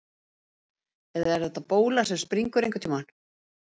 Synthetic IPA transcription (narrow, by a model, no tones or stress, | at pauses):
ɛðaɛɾðɛht̪ːapoːwlasɛmspɾiŋkʏɾejŋkʏt̪ʰiman